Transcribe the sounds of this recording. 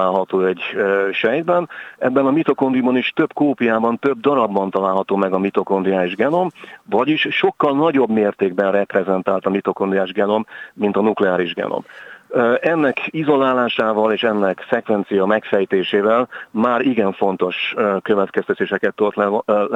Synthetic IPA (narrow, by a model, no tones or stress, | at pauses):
aːlɦɒt̪oːɛɟːøʃɛjd̪bɛnɛbːɛnɒmit̪o̞ko̞nd̪ijbɒniʃt̪ø̞bkoːpijaːbɒnt̪ø̞b̚d̪ɒɾɒbːɒnt̪ɒlaːlɦɒt̪oːmɛɡɒmit̪o̞ko̞nd̪ijaːʒɡɛno̞mvɒɟiʃːo̞kːɒlnɒɟo̞bmeːrt̪eːɡ̚bɛnrɛprɛzɛnt̪aːlt̪ɒmit̪o̞ko̞nd̪iaːʒɡɛno̞mːint̪ɒnuklɛaːɾiʒɡɛ̰no̰m | ʔɛnːɛkizo̞laːlaːʃaːvɒleːʃɛnːɛksɛkvɛnt̪sijɒmɛkfɛjt̪eːʃeːvɛlmaːɾiɡɛɱfo̞n̪t̪o̞ʃkøvɛt̪kɛst̪ɛt̪eːʃɛkɛt̪ːot̪ɛ